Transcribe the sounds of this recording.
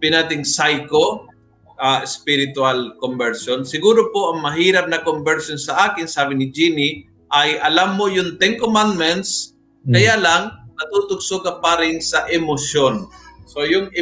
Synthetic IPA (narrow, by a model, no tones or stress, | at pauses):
pɪnaːt̪ɪŋsajko | ʔaːɪspɪɾɪt̪ʊalkombɛɾsonsɪɡuːɾopoʔɐŋmɐɦiːɾɐp̚nɐkombɛɾsonsɐʔaːkɪnsaːbɪnɪd͡ʒinɪ | ʔɐjʔɐlamːojʊŋt̪ɛŋkomand̪mɛnt̪s | kɐjalaŋnɐt̪ut̪ʊɡsoɡɐpaːɾɪŋsɐʔɛmosjonsojʊŋɪ